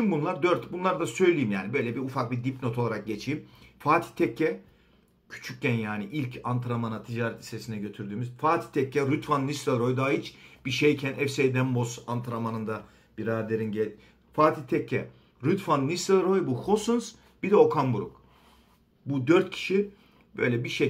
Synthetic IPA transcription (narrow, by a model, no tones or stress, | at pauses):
t͡ʃʰimbunlˠaɾd̪øɾt̪bunlˠaɾd̪asø̞jlʲijimjaːnibø̞jlʲɛbiufak̚bid̪ipno̞t̪ʰo̞lˠaɾak̚ɟe̞t͡ʃʰiːmfaːt̪ʰi̥t̪ʰɛcʰːɛ | cʰy̥t͡ʃʰyc̚ɟɛnjaːniʔilʲcʰant̪ʰɾamanat̪ʰid͡ʒaːɾɛt̪ʰi̥sesinɛɟø̞t̪ʰyɾd̪yːmyzfaːt̪ʰi̥t̪ʰɛcːɛɾyt̪fanːist̪elˠɾo̞jd̪aːɦit͡ʃb̥iʃejcʰænʔɛfsejd̪ɛmbo̞sant̪ʰɾamanɯnd̪a | b̥iɾaːd̪eɾinɟɛ | faːt̪ʰit̪ʰɛcʰːɛ | ɾyt̪fanːist̪alˠɾo̞jbuhosunz | b̥id̪ɛo̞kʰambuɾṵk | bud̪øɾt̪̚cʰi̥ʃi | bøjlʲɛbiʃe